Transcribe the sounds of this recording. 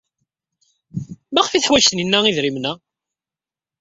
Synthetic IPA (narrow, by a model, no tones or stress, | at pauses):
maχfiθħwæʃθninːæiðɾimnæ